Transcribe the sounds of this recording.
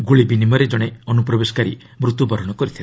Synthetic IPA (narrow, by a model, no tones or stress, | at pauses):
ɡuɭibinimɔɾed͡ʒɔɽ̃eɔnupɾɔbesɔ̥kaɾḭ | mɾut̪wubʱɔɾɔɽ̃ɔkɔɾit̪ʰila